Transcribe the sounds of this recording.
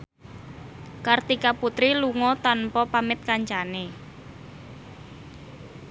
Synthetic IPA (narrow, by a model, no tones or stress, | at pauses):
kart̪ikaput̪ɾiluŋɔt̪anpɔpamɪt̪̚kaɲt͡ʃane